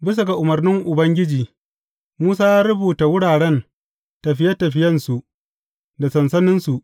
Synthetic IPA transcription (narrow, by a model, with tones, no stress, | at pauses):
bɪ˦s̬a˨ɡa˨ʔʊ˨mɐ˨rnɪ˦ŋʔʊ˨bɐ˦ŋɡʲɪ˦d͡ʒiː˨ | muː˦saː˦jaː˦ɾʊ˦buː˨ta˨wʊ˦ɽaː˨ɽɛ˦n | tɐ˨ɸɪ˦jɐ˦tːɐ˨ɸɪ˦jɐ˦nsu˨ʔ | da˨sɐ˨nsɐ˦nɪ˦nsu˨ʔ